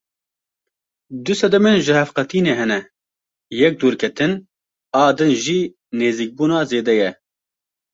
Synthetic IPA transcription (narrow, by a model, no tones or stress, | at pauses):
d̪ʊsɛd̪ɛmeːnʒɨhɛfqɛt̪ʰiːneːɦɛnɛ | jɛk̚d̪uːɾkʰɛt̪ʰɨn | ɑːd̪ɨnʒiː | neːziːk̚buːnɑːzeːd̪ɛjɛ